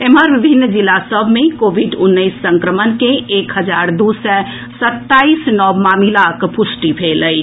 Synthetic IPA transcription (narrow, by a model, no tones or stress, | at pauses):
eməɾʋibʱinːd͡ʒilasəbʱmẽkobʱiɖunːəɪsːəŋkɾəmənkẽʔekɦəd͡ʒaɾd̪usɛ | sət̪ːaisnɔbmamilakpusʈibʰʱeləi